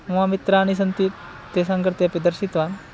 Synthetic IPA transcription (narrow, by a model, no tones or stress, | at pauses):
mʋamit̪ɾaaɽ̃is̬ənt̪i | t̪esãŋɡəɾt̪japid̪əɾsit̪ʋan